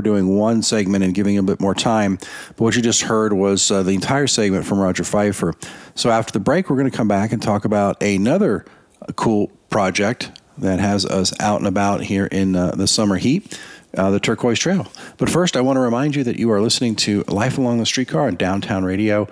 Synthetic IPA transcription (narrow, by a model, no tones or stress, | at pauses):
dʉɪ̃ŋwʌ̃nsɛɡ̚mɨ̃ɾ̃ɨ̃nɡɪvɪ̃ŋɨbɪt̚mɔɹtʰãɪ̃mb̥ʌt̚wʌt͡ʃɨd͡ʒʌst̚hɜ˞d̚wʌz̥ðiɨ̃ntʰaɪə˞sɛɡ̚mɨ̃ntfɹʌ̃mɹɑd͡ʒə˞faɪ̥fə˞soʊæftə˞ðəbɹeɪkwəɹɡʌñɨkʰʌ̃mbækɨ̃ntʰɔkəbaʊɾɨnʌðə˞ | kʰulˠpʰɹ̥ɑd͡ʒɛk̚t̚ðɨt̚ɦɨzʌ̰sa̰ʊɾ̃nəbaʊt̚hiɹʔɪ̃nðɨsʌmə˞hit̚ðɨtʰɜ˞kʰɔɪz̥tʰɹ̥eɪl̩ˠb̥ʌtfɜ˞staɪwɑ̃ñəɹɨmãɪ̃nd͡ʒɨðɨ̰t͡ʃɨə˞lɪsnɪ̃ŋtʰɨlaɪfəlɔ̃ŋðəstɹ̥it̚kʰɑɹɨ̃ndãʊ̃ntʰãʊ̃nɹeɪɾioʊ